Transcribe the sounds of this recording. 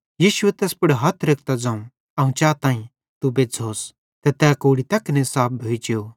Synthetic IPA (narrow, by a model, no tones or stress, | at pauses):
jiːʃʊɛt̪ɛːspʊɽɦɐt̪ʰɾek̚ʰt̪ad͡zãːũ | ɐũt͡ʃaːt̪ãːĩ | t̪ubed͡zʱoːs | t̪ɛt̪ɛːkoːɽit̪ɐknesaːp̚bʱoid͡ʒeo